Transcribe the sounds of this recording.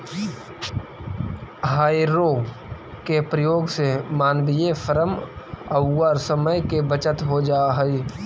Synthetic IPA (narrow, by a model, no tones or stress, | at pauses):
ɦaːiɾo | kepɾəjoːɡsemaːnbijefʰəɾəməːaːɾsəməjkebət͡ʃət̪ɦod͡ʒaːɦɛi